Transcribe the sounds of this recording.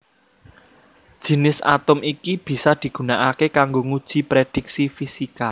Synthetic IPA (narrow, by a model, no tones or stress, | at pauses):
d̥ʒ̥i̤nɪsa̰t̪ʊmikib̥i̤sad̪̥i̤ɡ̥ṳnaʔakekaŋɡoŋud̥ʒ̥i̤pɾed̥i̤k̚sifisika